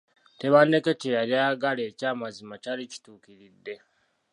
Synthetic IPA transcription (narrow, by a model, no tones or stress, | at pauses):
te̞βaneketejalaɡale̞ːcaːmazimacalici̥tuːkiɾidːe̞